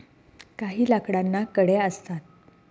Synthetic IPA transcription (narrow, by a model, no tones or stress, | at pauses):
kaɦiːlakɽanːakəɽjeəst̪at̪̚